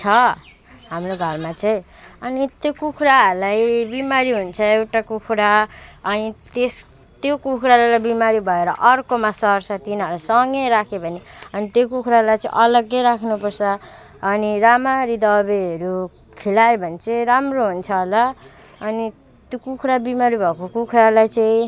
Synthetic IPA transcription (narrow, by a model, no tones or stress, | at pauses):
t͡sʰʌ | ɦamroɡʱʌrmat͡saĩ | ʌnit̪jokukʰɾaɦʌɾlajbimaɾiɦunt͡sʰʌewʈakukʰɾaʌnit̪es | t̪jokukʰɾalalajbimaɾibʱʌeɾʌ̰ʔʌrkomasʌrsʌt̪inʌlasʌŋɡʌjɾakʰebʱʌniʌnit̪jokukʰɾalajt͡sʌ̰̃ḭ̃ʔʌlʌɡːʌjɾakʰnupʌrt͡sʰʌː | niɾamaɾid̪ʌbeɦʌɾu | kʰilaebʱʌnt͡seɾamroɦunt͡sʰʌɦlʌː | ni | t̪jokukʰɾabimaɾibʱʌkokukʰɾalajt͡saĩ